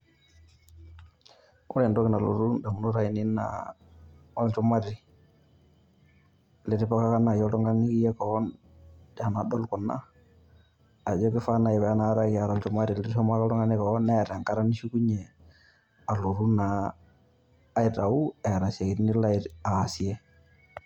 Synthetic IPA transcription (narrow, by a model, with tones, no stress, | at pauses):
ɔ˦lɛ˨ndɔkɪ˨na˨lo̰˨ɾu˦nda˨mu˨nu˦ɾa˦ɪnɪ˦na̰ | ɔ˦lt͡ʃu˦ma˦ɾi˨ | lɪ˨ɾɪ˦pɔ˦ka˦ka˦na˨jɔ˦tɔ˦ŋɡa˦niki˦jɛ˦kɔ˨˦n | dɛ˨a˨nadɔ˦lkɔ˨nːa̰˦˨ | d͡ʒɔ˦kɪ˦fa˦na˨ɪ˨bɛ˨a˦na˦ɾa˦kɪ˨a˨ɾɔlt͡ʃu˦ma˦ɾi˨lɪɾfɔ˦ma˦kɔ˦ɾɔ˦ŋa˦nɪ˦kɔnɛ˦ɾa˨ŋka˦ɾa˦ni˦ʃu˦ku˦ɲɛ˨ | a˨lo˨ɾuna˨˦ | jta˨u˦ɛ˨ɾa˨sɛ˨kɪ˨tni˦la˦ɪtaː˨si˨ɛ˦